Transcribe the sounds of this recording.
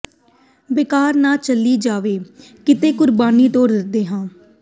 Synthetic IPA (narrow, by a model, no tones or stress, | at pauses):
bɪkaːɾnaːt͡ʃəliːd͡ʒaːʋeː | kɪt̪eːkʊɾbaːniːt̪õːɾɪd̪eːɦãː